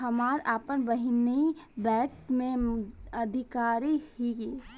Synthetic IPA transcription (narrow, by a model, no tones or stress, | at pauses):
ɦɐmaːɾaːpənbəɦɪnibɛːkʈmẽəd̪ʱɪkaːɾihiɡe